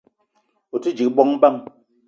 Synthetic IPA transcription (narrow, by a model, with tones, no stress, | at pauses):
u˨ti˦d͡ʒi˨bɔ˦ŋ˦ba˦˨ŋ